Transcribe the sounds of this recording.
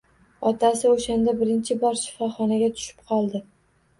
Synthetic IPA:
ɒt̪ʰasɪoʃand̪abɪɾɪnt͡ʃʰɪbɒɾʃɪ̥fɒχɒnaɡʲat̪ʰʊ̥ʃɪ̥p̚qʰɒlˠd̪ɪ

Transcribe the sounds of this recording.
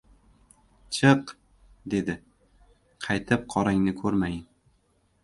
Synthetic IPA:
t͡ʃʰɨq | d̪e̞d̪ɪ | qʰɑjt̪ʰɪp̚qʰɒɾaŋnɪkʰɵɾmajɪn

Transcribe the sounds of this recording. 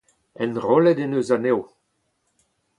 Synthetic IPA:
ɛnʁɔlɛdenøːzanew

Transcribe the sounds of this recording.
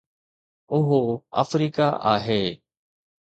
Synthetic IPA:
ʊɦoə̰fɾiːkaʔa̰ːɦeː

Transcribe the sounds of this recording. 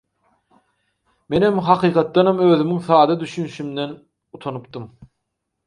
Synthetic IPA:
me̞nemɦɑqʰɯːqʰɑt̪̚ːɑnɑmøːðymyŋθɑːd̪ɑd̪yʃynyʃymd̪en | ut̪ʰonupt̪ɯm

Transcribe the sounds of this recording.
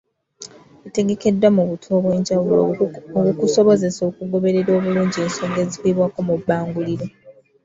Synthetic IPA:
ete̞ɡe̞ke̞dːwamuβutʰwoːβwe̞ːɲɟawulooβukuso̞βo̞ze̞so̞ːkuɡo̞βe̞ɾe̞ɾo̞ːβuluːɲɟie̞ːnsoːŋɡe̞zikweβwaːko̞mubːaːŋɡuliɾo

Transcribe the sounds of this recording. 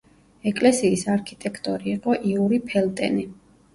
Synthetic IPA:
ɛkʼlɛsiːsaɾkʰit̪ʼɛkʰt̪ʼɔɾiːqʼɔʔiuɾipʰɛlt̪ʼɛ̰ni

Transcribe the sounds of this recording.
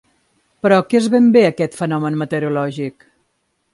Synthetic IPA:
pɾɔkezβembeəkɛt̪fənɔmənmət̪əɾulɔʒik

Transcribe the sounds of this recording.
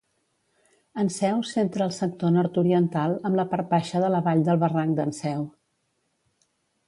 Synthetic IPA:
ənsɛwsent̪ɾəːlˠsək̚t̪onɔɾt̪uɾiənt̪alˠəmləpəɾpaʃəðələβaʎd̪əlˠβəraŋd̪ənsɛw

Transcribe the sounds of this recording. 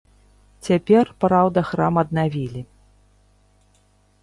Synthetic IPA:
t͡sʲapʲɛrpɾawd̪ɐxɾamɐd̪navʲilʲi

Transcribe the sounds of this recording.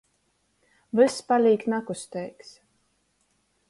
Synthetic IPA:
vɨspalʲiːk̪nakust̪ɛjks

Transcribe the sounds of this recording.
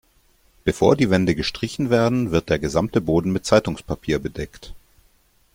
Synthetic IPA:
b̥əfoːɐdiːvɛndəɡəʃtʁ̥ɪçn̩veːɐdn̩vɪɐt̚d̥eːɐɡəzamtəboːdn̩mɪt̚t͡saɪtʊŋspʰapʰiːɐbədɛkt

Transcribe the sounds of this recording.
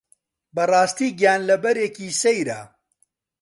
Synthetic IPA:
bɐrˤɑːst̪iːɡjaːnlɐbɐɾeːkiːsejɾa̰

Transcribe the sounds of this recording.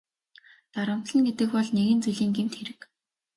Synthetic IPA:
t̪aɾə̆m̥t̪ɮə̆nɡet̪ɘ̆kpɔɮneɣɘ̆nt͡sujɮiːŋɡemt̪xeɾɘ̆k

